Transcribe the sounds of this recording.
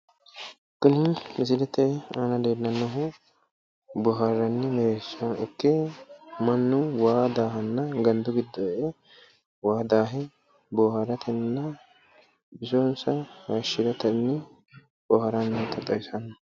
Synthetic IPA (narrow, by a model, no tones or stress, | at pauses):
kːʊnɪnmɪs̬ɪlɛt̪ːɐɛaːnɐd̪eːdːɐnːɐɦʊ | boɦɐrːɐnːɪmɛɾeːʃːɐnʊ̰kːemɐnːʊwaːd̪aːɦɐnːɐɡɐnd̪ʊɡɪd̪ːɐʔe | waːd̪aːɦɛ | boːhɐɾɐt̪ʰɛnːɐ | bɪsoːnsɐhɐʃːɪɾɐt̪ɐnːɪ | boːhɐɾɐnːɐt̪ʰɐt̪ʼːɐwɪsɐnɐ